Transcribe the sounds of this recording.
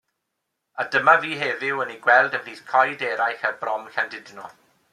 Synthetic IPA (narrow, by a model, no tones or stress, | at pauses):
adəmaviːɦevɪwəniɡwɛlˠdəviːθkʰɔjdɛːɾajxabrɔmxandɪdnɔ